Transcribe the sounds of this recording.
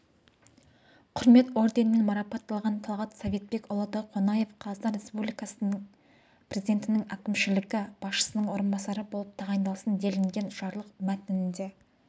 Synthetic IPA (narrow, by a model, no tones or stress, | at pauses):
qʰʊɾme̞t̪o̞ɾd̪e̞nɪnɪŋmɑɾɑpɑt̪ːɑlˠʁɑnt̪ʰɑlˠʁɑt̪save̞t̪̚be̞kʊlˠəd̪ɑqʰonɑje̞fqʰɑzd̪ɑɾe̞spublijkɑs | prʲe̞zid̪e̞nt̪ɪnɪŋækʲɪmʃɪlɪɡʲɪb̥ɑsʃə̥sənəɴwo̞ɾənbɑsɑɾəbo̞lˠəp̚t̪ʰɑʁɑjnd̪ɑlˠsənd̪e̞lɪŋɡʲe̞nʒɑɾlˠəqmæt̪ɪnɪnd̪e̞